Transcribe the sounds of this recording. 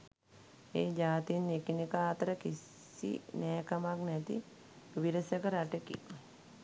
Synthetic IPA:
eːd͡ʒaːt̪inekinikəaːt̪əɾəkis | ḭnɛːkamaknɛt̪ḭ | iʋiɾəsjəkəɾaʈekḭ

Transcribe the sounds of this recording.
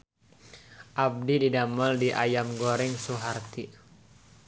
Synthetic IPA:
ʔab̚dididamɔldiʔajamɡoɾɪŋsuɦart̪i

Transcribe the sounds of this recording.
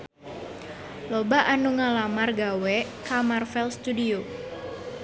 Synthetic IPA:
lobaʔanuŋalamarɡawɛkamarfɛlst̪udio

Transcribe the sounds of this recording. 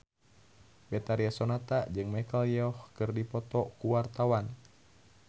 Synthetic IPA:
bɛt̪aɾiasɔnat̪ad͡ʒɨŋmɛkəljɔhkɨrdipɔt̪ɔkuwart̪awan

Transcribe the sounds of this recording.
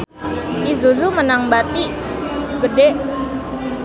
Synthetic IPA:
ʔizuzumənaŋbat̪i | ɡədeʔ

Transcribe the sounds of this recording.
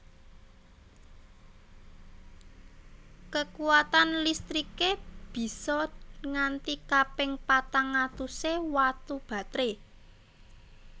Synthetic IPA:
kəkuwat̪anlist̪ɾikeb̥i̤sɔŋant̪ikapɪŋpat̪aŋat̪usewat̪ub̥a̤t̪ɾe

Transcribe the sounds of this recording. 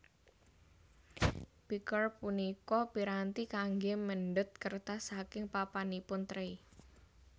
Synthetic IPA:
pikərpunikɔpiɾant̪ikaŋɡeməɳɖʊt̪̚kərt̪asakɪŋpapanipʊnt̪ɾəi

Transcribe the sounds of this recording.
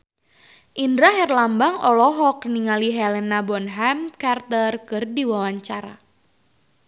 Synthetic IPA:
ʔindɾaɦɛrlambaŋɔlɔɦɔk̚niŋaliɦɛlɛnabɔnɦamkart̪ərkɨrdiwawaɲt͡ʃaɾa̰

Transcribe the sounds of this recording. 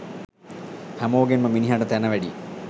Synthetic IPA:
hɐmoːɡenmɐminiɦɐɖɐt̪enɐʋɐɽi

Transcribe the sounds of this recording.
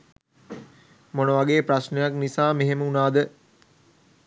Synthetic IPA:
monəʋaɡeːpɾasnejaknisaːmeɦeməunaːd̪ə

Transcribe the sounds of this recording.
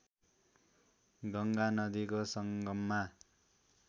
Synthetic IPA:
ɡʌŋɡanʌd̪ikosʌŋɡʌmːa

